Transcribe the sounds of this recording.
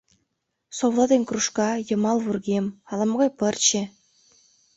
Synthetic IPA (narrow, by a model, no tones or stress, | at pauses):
soβlˠɑd̪enʲkruʃkɑjɤ̆mɑlˠβurɡʲemɑlˠɑmɣɑjpɤrt͡ɕe